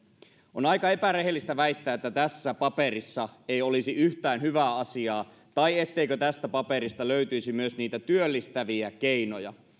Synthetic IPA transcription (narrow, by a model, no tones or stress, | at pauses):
onɑjkɑe̞pæɾeɦelːist̪æʋæit̪ːæːet̪ːæt̪æsːæpɑpeɾisːɑejolisiyht̪æːnhyʋæːɑsiɑː | t̪ɑiet̪ːeikøt̪æst̪æpɑpeɾist̪ɑløyt̪yisimyøsniːt̪æt̪yølːist̪æʋiækeinojɑ̰